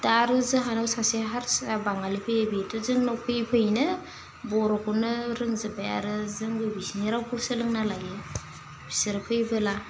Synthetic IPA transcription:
daɾɯzɯɦanawsasiɦaɾsabaŋalipʰɯjebitɯzɯŋnɔpʰɯjpʰɯjnɯ | bɔɾɔkunɯɾɯŋzɯbaja̰ɾɯzɯŋɡɯbisiniɾawpʰusɯlɯŋnalaɡɯ | b̥i̥sɯɾpʰɯjbɯla

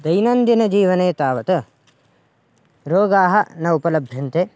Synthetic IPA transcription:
d̪ɐjnɐnd̪inɐd͡ʒiːʋɐneːt̪aːʋɐt̪ɐ | ɾoːɡaːɦɐnɐupɐlɐbʱjɐnt̪e

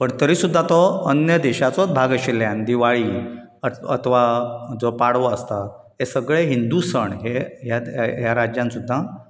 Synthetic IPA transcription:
pəɳt̪əɾiːsud̪ʱːat̪ɔənjəd̪eɕat͡sɔbʱaɡəɕiljand̪iʋaɭiː | əə̰t̪ʰʋad͡zɔpaɽʋɔəst̪a | esəɡɭeɦind̪usəɳɦeɦjaɦjaɾad͡ʑjãnsud̪ʱːa

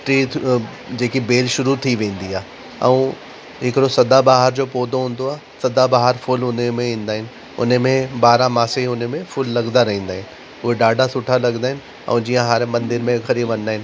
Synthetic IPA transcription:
ʈɾi | d͡ʑeːkibeːlʃʊɾut̪ʰiʋẽːn̆d̪iaː | ɛ̰ũ | ɦɪkɾosɐd̪abaːɦəɾd͡ʑoːpoːd̪ʱõɦũːn̆d̪oaː | sɐd̪abaːɦəɾfʊlʊnmẽĩːnd̪aːɦɪnɪ̆ | ʊ̰nmẽbaːɾãmaːseʊnmẽfʊlːɐɡd̪aɾɐɦĩːnd̪aːɦɪnɪ̆ | ʊɦeɖaːɖʱasʊʈʰalɐɡnaːɦɪnɪ̆ | ɛ̰̃ũd͡ʑiːjãɦaːɾemɐ̃nd̪ɪɾmẽxʰɐɾibʋɐ̃ñ̆d̪aːɦɪnɪ̆

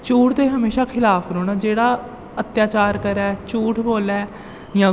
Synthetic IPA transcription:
t͡ʃuːʈt̪eːɦəmeːʃaːkʰɪlaːpɾoːɽ̃aːd͡ʒeːɽaː | ət̪jaːt͡ʃaːɾkəɾɛːt͡ʃuːʈʰboːlɛː | jãː

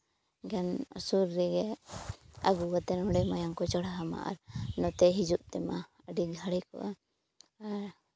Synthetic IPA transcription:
ɡanɔ̰suɾːɛɡɛ | aɡuwat̪ɛnɔɖɛmajaŋkɔt͡ʃəɽaɦama̰ʔa̰ɾnɔt̪ɛɦid͡ʒuʔt̪ɛma̰ | əɖiɡʱaɽikɔ̰ʔa | aɾ

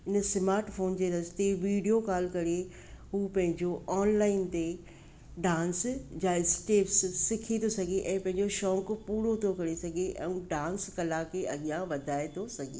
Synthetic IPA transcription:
ɪnsɪmaːɾʈfoːnd͡ʑeːɾɐzt̪eʋiːɖijokaːl̤kɐɾe | ɦuːpɐ̃ɦɪ̃ɲd͡ʑoʔɔːnlaːɪnt̪e | ɖãːnsd͡ʑaːɪsʈeːpsːɪkʰit̪ʰosɐɡʱeʔɛ̃ːpɐ̃ɦɪ̃ɲd͡ʑoʃɔ̃ːkpuːɾot̪ʰokɐɾesɐɡʱeʔɛ̰̃ːũɖãːnskɐlakeɐɠijãʋɐd̪ʱaːet̪ʰosɐɡʱḛː

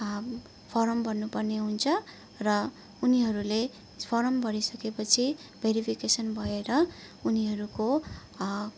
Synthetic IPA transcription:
pʰʌɾʌmbʌrnupʌrneɦunt͡sʰʌ | rʌ | uniɦʌɾule | pʰʌɾʌmbʱʌɾisʌkepʌt͡sʰi | bʱeɾipʰikesʌnbʱʌeɾʌ | uniɦʌɾuko

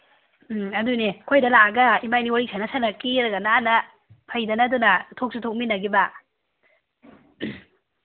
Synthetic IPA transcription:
mɐdunekʰojdɐlaɐɡɐimajniwaɾik̚sʰajnɐsanɐkiɾɐɡɐnaːnɐ | pʰɐjdɐnɐdunɐtʰok̚sitʰok̚minɐɡibɐ

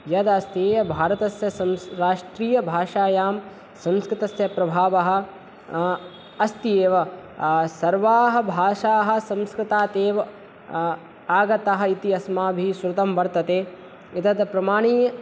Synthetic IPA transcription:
jɐd̪ɐst̪eːjɐbʱaːɾɐt̪ɐsjɐsɐmɾaːʂʈɾiːjɐbʱaːʂaːjaːm | sɐ̃mskɾɪt̪ɐsjɐpɾɐbʱaːʋɐɦɐ̆ | ɐst̪ijeːʋɐ | sɐɾʋaːɦɐ̆bʱaːʂaːɦɐ̆sɐ̃mskɾɪt̪aːt̪eːʋɐ | aːɡɐt̪aɦɐ̆it̪iɐsmaːbʱisɾɐt̪ɐmʋɐɾt̪ɐt̪eː | it̪ɐd̪pɾɐmaːɳiː

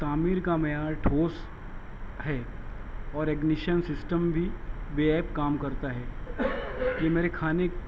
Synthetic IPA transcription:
t̪aːmiːɾkamejaːɾʈʰoːs | ɦɛː | ɔːɾɛɡnɪʃənsɪsʈəmbʱibeɛːpkaːmkɐɾt̪aɦɛː | jeːmeːɾekʰaːne

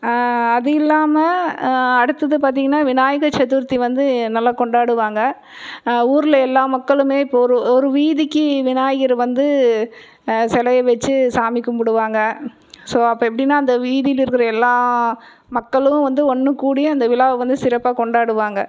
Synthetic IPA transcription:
ɐðɯɪlːaːmɐ | ɐɽɯt̪ːɐðɯpaːɾt̪̬iːŋɡɐnːaːʋɪnaːjɐɣɐt͡ʃːɐt̪ːɯɾt̪ːiʋɐnd̪ɯnɐlːaːkɔɳɖaːɽɯʋaːŋɡɐ | uːɾɪlɐɛlːaːmɐkːɐɭɯmeːɪpːoɔɾɯɔɾɯʋiːðɪkːɯʋɪnaːjɐɣɪɾʋɐnd̪ɯ | sɛlɐjɐʋɛt͡ʃːɯsaːmɪkːɯmpʊɽɯʋaːŋɡɐ | soːɐpːɐːɛpːɐɽɪnːaːɐnd̪ɐʋiːðɪjɪlɪɾɯkːɪɾɐɛlːaː | mɐkːɐɭɯ̃ʋɐnd̪ɯɔnːɯkuːɽɪjɐ̃ɐnd̪ɐʋɪlaːʋʋɐnd̪ɯsɪɾɐpːaːkɔɳɖaːɽɯʋaːŋɡɐ

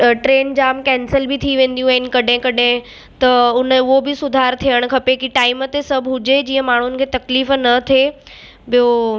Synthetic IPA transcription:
ʈɾeːnd͡ʑaːmkɛ̃ːnsəlbɪt̪ʰiʋẽːn̆d̪ijũaɦɪnɪ̆kɐɗɦẽkɐɗẽ | t̪ɐʊnəʊɦobɪsʊd̪ʱaːɾt̪ʰijəɽ̃kʰɐpekiʈaːɪmət̪esɐbʱɦʊd͡ʑed͡ʑiːə̃maːɳ̤ʊnɪ̆kʰeːt̪ɐkliːfnɐt̪ʰe | bijo

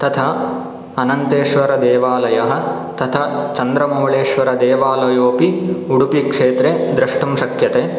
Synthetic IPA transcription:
t̪ɐt̪ʰɐ | ɐnɐnt̪eːʃʋɐɾɐd̪eːʋaːlɐjɐɦɐ̆ | t̪ɐt̪ʰɐt͡ʃɐnd̪ɾɐmɐːɭeːʃʋɐɾɐd̪eːʋaːlɐjoːpiuɽupikʂeːt̪ɾed̪ɾɐʂʈumʃɐkjɐt̪eː

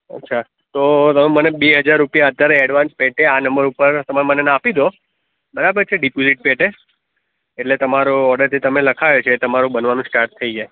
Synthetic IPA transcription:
ə̰tːʃʰa | t̪ot̪əmemənebeɦəd͡ʒaɾːupijaət̪ːaɾeɛɖʋãnspeʈʰeanəmbəɾupəɾt̪əmamənenapid̪o | bəɾabəɾt͡ʃʰeɖipoziʈ̚peʈe | eʈlet̪əmaɾoɔɾɖəɾt̪et̪əmeləkʰaʋet͡ʃʰeːt̪əmaɾũbənʋanũsʈaɾt̪ʰːəid͡ʒae

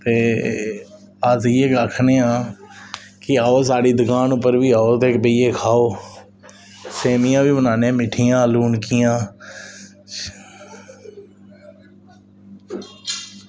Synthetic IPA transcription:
t̪eː | əzɪeːɡakʰneːãː | kɪaːoːs̬aːɽiːd̪əkaːnʊpːəɾʋiːaːoːt̪eːkbəiːeːkʰaːoː | seːmɪjãːʋiːbənaːneãːmɪʈʰijãːluːnkɪjãː

